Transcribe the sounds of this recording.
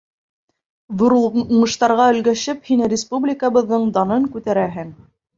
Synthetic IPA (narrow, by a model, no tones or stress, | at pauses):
ðŏɾuuɴɤ̆ʃt̪ɑɾʁɑɵ̆lɡæʃɘphinɘrʲɪspublʲɪkəβɤ̆ðːɤɴd̪ɑnɤŋkʉt̪æɾæɦɘŋ